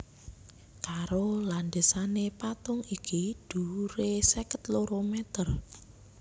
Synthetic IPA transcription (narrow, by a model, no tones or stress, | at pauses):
kaɾoland̪esanepat̪ʊŋikid̪̥ṳɾesɛkət̪loɾomɛt̪ər